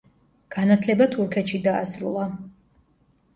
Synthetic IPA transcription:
ɡ̥anat̪ʰlɛbat̪ʰuɾkʰɛt̪ʃid̪a̰ːsɾṵlˠa

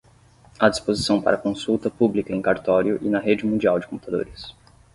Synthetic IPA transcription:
ad͡ʒispozisɐ̃w̃pa̰ɾɐkõsuwt̪ɐpublikɐẽkaɾt̪ɔɾjʊʔɪnɐɦed͡ʒɪmũd͡ʒiawd͡ʒɪkõput̪ad̪o̰ɾɪs

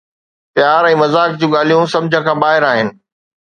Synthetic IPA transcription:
pjaːɾɛ̃ːmɐzaːk̚d͡ʑũːɠaːl̤ijũsɐ̃md͡ʑʱə̃kʰãːbaːɦɪɾaːɦɪnɪ̆

